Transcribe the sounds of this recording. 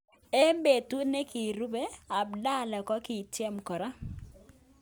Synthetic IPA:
e˦mbe˨tu˦ne˦ki˨ɾu˦be˦a˨bda˦˨la˨kɔ˦kɪ˨tjɛ˦mkɔ˨ɾa˦

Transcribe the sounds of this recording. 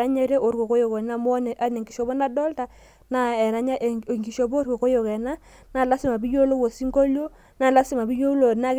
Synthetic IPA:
a˦ɲɛ˦ɾe˦ʔo˨ɾko˨ko˦jɔ˨kɔ˨na˦˨m˦n˨ʔa˦nɛ˨ŋɡi˨ʃɔ˨bɔ˦na˦dɔ˦lta˨ | na˦˨ɛ˨ɾa˦ɲa˦ʔŋɡi˨ʃo˨bɔ˦ɾko˨ko˦jo˨kɛ˨na˦ | na˦˨la˦sɪ˦ma˨bi˦jo˦lo˦wo˨si˦ŋko˦ljo˦ | na˨la˦si˨ma˨bi˦jo˦lo˨na˦k

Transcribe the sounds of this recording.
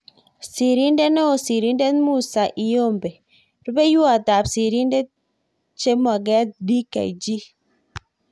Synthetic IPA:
si˨ɾi˦nde˦nɔ˦o˨si˨ɾi˦nde˦n˦mu˦˨sa˨ʔi˨jo˦˨mbe˨ | ɾu˦be˦ju˦a˨ta˨psi˨ɾi˦nde˦ | t͡ʃe˦mɔ˨ɡɛ˦di˦ka̰˨ḭ˨d͡ʒi˦

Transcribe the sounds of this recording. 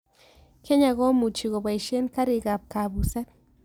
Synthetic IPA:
kʰe˦ɲa˨ɣɔ˦mu˨t͡ʃi˨ɣo˨ba˨i˨ʃe˦nka˦ɾi˨ɡa˨p̚ka˨bu˨sa˦t̪̚

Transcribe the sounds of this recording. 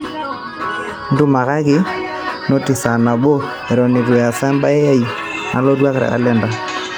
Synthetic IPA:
n̩˦du˦ma˨ɣa˦ɣɪ˦ | no˦ti˨sa˨na˨bo˦ | ɛ˨ɾɔ˨ni˨ɾwa˨sa˦mba˦ɛ˦ja˦i˨ | na̰˨lɔ˦dwa˦ka˨ɾa̰˨a̰˨lɛ˦nda˨

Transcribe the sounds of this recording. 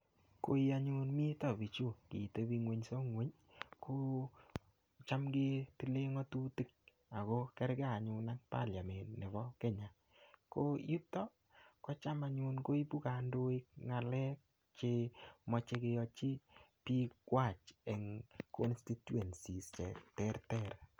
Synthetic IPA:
ko̰˨i˦a˨ɲu˦nmi˦tɔ˨bi˨t͡ʃu˦kḭ˨te˦bi˦ŋwe˦ɲso˦ŋwe˦ɲ | kʰo˦ | t͡ʃa˦mɡe˦ti˦le˦ŋɔ˦tu˦ti˦k̚ | a˨ko˦kɛ˦ɾɡe˦a˨ɲʊ˨na˦k̚pa̰˦lja˨me˨nne˨bɔ˦ke˦ɲa˨ | ko˦i˦tɔ˦ | kɔ˦t͡ʃa˦ma˨ɲu˦nko˦i˦pu˦ka˨ndo˦i˦k̚ŋa˨lɛ˦k̚ | t͡ʃe˦mɔ˦t͡ʃe˧ke˧jɔ˧t͡ʃi˦pi˦kwa˦˨t͡ʃɛ˨ŋkɔ˦nsti˦tu˦ɛ˨nsi˨st͡ʃɛ˨tɛ˦ɾtɛ˦r

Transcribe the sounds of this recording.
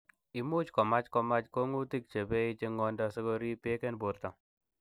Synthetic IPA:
i˨mu˦t͡ʃkɔ˨ma˦t͡ʃkɔ˧ma˦t͡ʃko˦ŋu˦ti˦k̚t͡ʃe˨be˦i˦t͡ʃe˦ŋɔ˦ndɔ˦se˦kɔ˦ɾi˦pe˦kɛ˦nbo˨ɾta˨

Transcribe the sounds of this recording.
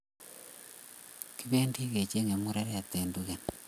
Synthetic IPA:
ki˦βe˦ndi˦ɣe˨t͡ʃe˦ŋe˨mu˦ɾa˦ɾea˨t̪eː˨nduɣe˨n

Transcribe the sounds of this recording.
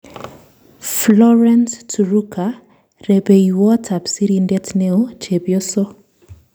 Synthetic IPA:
flɔ˦ɾɛ˦nstu˨ɾu˦kʰa˨ | ɾe˨be˨iwɔ˦tʰa˨psi˦ɾindɛ˦tne˦o˦t͡ʃe˨bjo˦sɔ˦

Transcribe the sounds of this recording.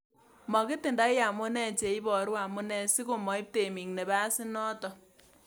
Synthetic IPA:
mɔ˨kɪ˦tɪ˨nda˦jja˨mʊ˦nɛ˦t͡ʃe˨i˦bɔ˨ɾwa˨mʊ˦nɛ˦sɪ˦ko˨mɔ˨i˦p̚te˨mi˨ŋnɛ˨ba˦sɪ˦nɔ˦tɔ˨

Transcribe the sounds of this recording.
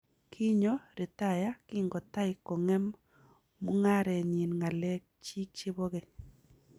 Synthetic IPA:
kʰi˦ɲo˦ɾɪ˨ta˦˨ja˦kɪ˦ŋɡɔ˨ta˦ɪ˨ko˨ŋɛ˦mː | u˦ŋa˦ɾɛ˨ɲi˨nŋa˨lɛ˦k̚t͡ʃi˦k̚t͡ʃi˦bɔ˦ɣɛ˦

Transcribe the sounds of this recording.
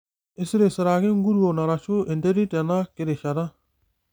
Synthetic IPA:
ɪ˦sɪ˦ɾe˨sɪ˨ɾa˨ɡɪ˦ŋ˦ɡu˦ɾu˦o˨na˨ɾa˨ʃu˦e˨nde˦ɾi˦tɛ˨na˦kɪ˦˨ɾɪ˨ʃa˨ɾa˦

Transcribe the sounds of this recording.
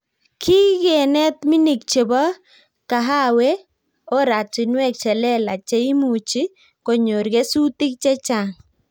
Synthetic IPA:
kʰi˦ɣɛ˨nɛ˦t̪mi˦ni˨k̚t͡ʃe˨bɔ˦ | ka˨ɦa˦we˦ | o˦ɾa˨t͡ʃi˨nwɛ˦˨k̚t͡ʃɛ˨lɛ˦la˨t͡ʃe˦i˦mu˨t͡ʃi˦ | ko˨ɲo˨ɾɡe˦su˦ti˦k̚t͡ʃɛ˦t͡ʃa˨ŋ

